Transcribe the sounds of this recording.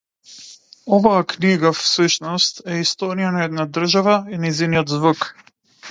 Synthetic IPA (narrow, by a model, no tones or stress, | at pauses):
ɔvaːkniɡafsuʃnɔst̪ɛist̪ɔɾijanaɛd̪nad̪r̩ʒavainɛzinijɔd̪zvuk